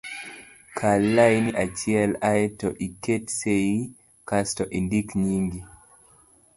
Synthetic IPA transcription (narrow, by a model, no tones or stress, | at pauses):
kʰalːajniʔat͡ʃiɛlajɛtɔʔiketseji | kastɔʔindikɲiŋɡi